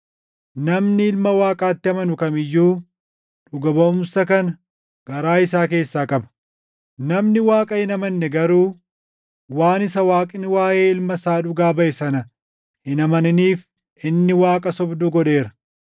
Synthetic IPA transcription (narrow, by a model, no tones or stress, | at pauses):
nɐmnɪɪlmɐwaːkʼaːt̪ːɪɐmɐnʊkɐmɪjːuː | ᶑʊɡɐbɐʊmsɐkɐnɐ | ɡ̥ɐɾaːɪsaːk̬e̞ːsːaːkʼɐbɐ̥ | nɐmnɪwaːkʼɐhɪnɐmɐnːɛɡɐɾuː | waːnɪsɐwaːkʼɪnɪwaːjeːɪlmɐsaːᶑʊɡaːbɐʔɛsɐnɐ | hɪnɐmɐnɪniːf | ɪnːɪwaːkʼɐsɔbd̪ʊɡɔᶑe̞ːɾɐ̥